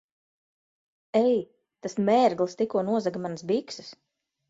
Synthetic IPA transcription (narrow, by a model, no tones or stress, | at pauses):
ɛj | t̪asmɛːɾɡlˠst̪ikuɔnuɔzaɡamansbiksɨ̥s